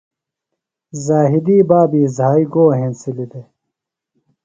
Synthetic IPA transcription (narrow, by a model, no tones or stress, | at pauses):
zaːɦid̪iːbaːbiːzaːiɡoːɦẽːnsilid̪e